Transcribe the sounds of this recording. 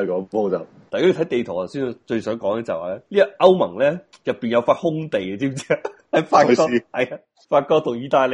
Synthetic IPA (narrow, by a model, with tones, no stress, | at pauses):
kɔː˨˥po˨˥t͡sɐ˨˩ | taː˨jka˥jːt̪ʰɐ˨˥jt̪e˨jt̪ʰɔː˨˩t̪ɐ˨˩wsi˥n˨˧˩t͡ʃɵ˧ɥsœː˨˥ŋkɔː˨˥ŋɛ˧t͡sɐ˨waː˨˩lɛː˦˥liː˥ɐ˨ʔɐ˥wmɐ̰˨˩ŋlɛː˥ | jɐ˨pːiː˨njɐ˨˧wfaː˧t̚hʊ˥ŋt̪e˨jɐ˧t͡siː˥mt͡sɛː˥ | hɐ˨˥jfaː˧ɔː˥hɐ˨jaː˧ | faː˧t̚kɔː˥t̪ʰʊ˨˩ŋjiː˧t̪aː˧le˨˧